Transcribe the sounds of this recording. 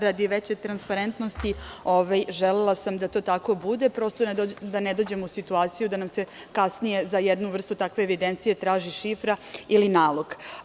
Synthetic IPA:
ɾad̪iʋet͡ɕet̪ɾanspaɾent̪nost̪ioʋajʒelelˠasamd̪at̪o̞ːt̪ako̞bud̪e̞pɾo̞st̪onod̪aned̪o̞d͡ʑe̞musit̪uaːt̪sijud̪anamse | kasnije̞zajed̪nuʋr̩st̪ut̪akʋe̞ːʋid̪e̞nt̪sije̞t̪ɾaːʒiʃifɾailinaːlˠoɡ

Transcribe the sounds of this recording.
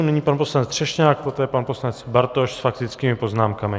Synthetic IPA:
nɛɲiːpanposlanɛt͡s̪r̥ɛʃɲaːk̚pot̪ɛːjɛpanposlanɛt͡sbaɾt̪oʃsfakt̪ɪt͡skiːmɪpo̞znaːmkamɪ

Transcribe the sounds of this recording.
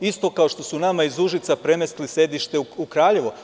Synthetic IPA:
ist̪o̞kao̞ʃt̪o̞sunamaizuʒit̪sapɾe̞mest̪lisje̞d̪iʃt̪e̞ukɾaːʎe̞ʋo

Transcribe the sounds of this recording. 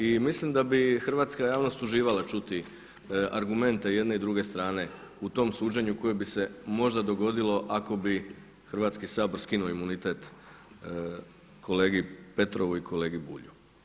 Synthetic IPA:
imislimd̪abixr̩ʋaːt̪skajaːʋno̞st̪uʒiːʋalat͡ʃut̪i | aɾɡume̞nt̪e̞je̞d̪ne̞id̪ɾuɡe̞st̪ɾaːne̞ | ut̪o̞msuːd͡ʑe̞ɲuko̞jebise̞mo̞ʒd̪ad̪o̞ɡo̞d̪ilo̞ʔako̞bi | xrʋaːt̪skisaːboɾskinuoimunit̪e̞t̪ | kʰo̞le̞ːɡipe̞t̪ɾo̞ʋuikʰo̞le̞ːɡibṵːʎu

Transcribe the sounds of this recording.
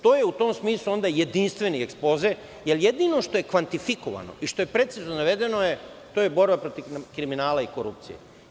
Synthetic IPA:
t̪o̞ːje̞ut̪o̞ːmsmiːslˠuo̞nd̪aje̞d̪inst̪ʋe̞niekspo̞ze | jeljed̪ino̞ʃt̪o̞je̞kʋant̪ifiko̞ʋa̰no̰ʔiʃt̪o̞jepɾe̞t̪siznonaʋe̞d̪e̞noje | t̪o̞jebo̞ɾbapɾo̞t̪ikɾiminaːlaiko̞ɾup̚t̪sḭjḛ

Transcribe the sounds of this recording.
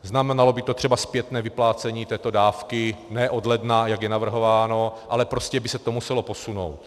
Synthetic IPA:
znamɛnalo̞bɪt̪ot̪r̝̥ɛbaspjɛt̪nɛːvɪplaːt͡sɛɲiːt̪ɛːt̪o̞daːfkɪnɛːʔo̞dlɛdnajaɡjɛnavr̩ɦo̞vaːno̞ʔalɛpɾo̞scɛbɪsɛt̪omusɛlo̞po̞suno̞̰wt̪

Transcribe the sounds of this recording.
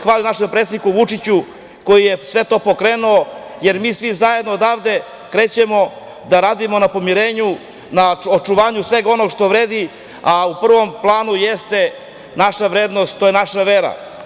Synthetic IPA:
xʋaːlinaʃempɾeːsikuʋut͡ʂit͡ɕu | ko̞jijesʋe̞t̪o̞ːpo̞kɾe̞ːnuoje̞ɾmiːsʋizajed̪noːd̪avd̪e̞ | kɾe̞ːt͡ɕemo̞ | d̪aɾaːd̪imo̞napo̞miɾe̞ːɲu | naot͡ʂuʋaːɲusʋe̞ɡao̞no̞ɡʂt̪o̞ʋɾeːd̪i | aupr̩ʋo̞mplˠaːnujest̪e̞ | naʃaʋɾeːd̪nost̪t̪oːjenaʃaʋeɾa̰

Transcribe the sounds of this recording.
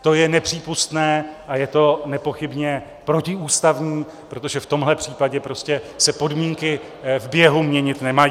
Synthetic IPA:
t̪o̞jɛnɛpr̝̥iːpust̪nɛːʔajɛt̪o̞nɛpo̞xɪbɲɛ | pɾo̞cɪuːst̪avɲiː | pɾo̞t̪o̞ʒɛft̪o̞mɦlɛpr̝̥iːpaɟɛpɾo̞scɛsɛpo̞dmiːŋkɪ | vbjɛɦumɲɛɲɪt̪nɛmaj

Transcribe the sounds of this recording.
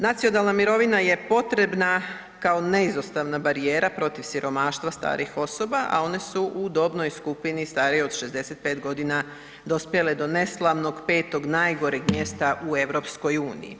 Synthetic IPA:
nat̪sio̞nalˠnamiɾo̞ʋinaje̞po̞t̪ɾe̞bna | kao̞ne̞izost̪aʋnabaɾije̞ːɾapɾo̞t̪iʋsiɾʔo̞maːʃt̪ʋast̪a̰ːɾixo̞so̞baʔa̰o̞ne̞suʔud̪o̞bno̞jskupinist̪aːɾio̞d̪ʃe̞zd̪e̞se̞t̪̚pe̞ːt̪ɡo̞d̪ina | d̪o̞spje̞le̞d̪o̞ne̞slˠaʋno̞ɡpe̞ːt̪o̞ɡnaːjɡo̞ɾeɡmje̞st̪aʔue̞ʋɾo̞psko̞juːnḭjḭ

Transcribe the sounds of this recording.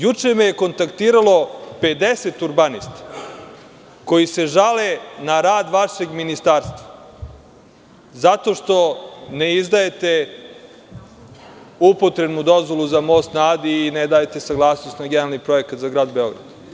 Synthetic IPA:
jut͡ʃemejeko̞nt̪akt̪iːɾalo̞pe̞d̪eset̪uɾbanist̪ḁ | ko̞jise̞ʒalenaɾaːd̪ʋaʃe̞ɡminist̪aːɾst̪vʋa | zat̪o̞ʃt̪o̞neizd̪aje̞t̪e̞ | upot̪ɾebnud̪o̞zʋo̞luzamost̪naːd̪iːned̪aːjet̪e̞saɡlˠaːsnost̪naɡnealnipɾo̞e̞kat̪zaɡɾaːd̪beo̞ɡɾa̰d̪̥

